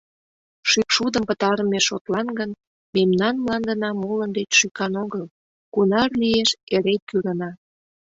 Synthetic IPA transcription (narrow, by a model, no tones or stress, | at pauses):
ʃykʃud̪əmpət̪ɑɾəmeʃot̪lɑnɡən | memnɑnmlɑnd̪ənɑmolənd̪etʃykɑnoɣəl | kunɑrlijeʃeɾet̪kyɾənɑ